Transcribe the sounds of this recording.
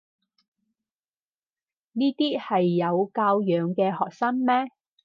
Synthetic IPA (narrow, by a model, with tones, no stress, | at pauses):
niː˥t̪iː˥hɐ˨jːɐ˨˧wkaː˧wjœː˨˧ŋkɛː˧hɔː˨k̚sɐ˥nmɛː˥